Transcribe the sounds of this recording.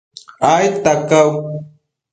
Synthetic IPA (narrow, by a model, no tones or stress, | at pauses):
ajt̪akaw